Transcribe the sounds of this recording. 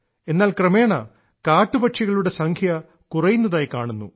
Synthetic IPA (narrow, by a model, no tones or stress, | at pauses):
e̞nːaːlkrɐme̞ːɳɐ̰ | kaːʈːubɐʈʂiɣɐɭuɽe̞sɐŋkʰjɐ | kurɐjunːɐðaːjikaːɳunːṵ